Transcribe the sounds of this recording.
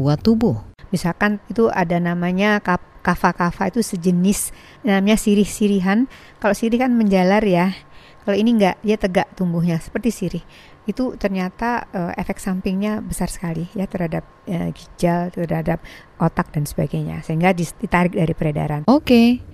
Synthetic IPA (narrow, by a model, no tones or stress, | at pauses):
buat̪ːubʊhbisalkanit̪ua̰danamaɲakakafakafait̪usəd͡ʒənɪs | namɲasiɾɪhsiɾiɦan | kaloʔsiɾɪhkanməɲd͡ʒalarja | kaloiniŋɡaʔdiat̪əɡaʔt̪umbuɦɲasə̥pərt̪isiɾɪh | it̪ut̪ərɲat̪aəʔefɛk̪̚sampɪŋɲabəsarsə̥kalijat̪ərhadap̚əɡid͡ʒalt̪ərhadap̚ | ʔot̪ak̚dansəbaɡaɲa̰səiŋɡadid̥it̪aɾɪk̚daɾipəɾeda̰ɾanoke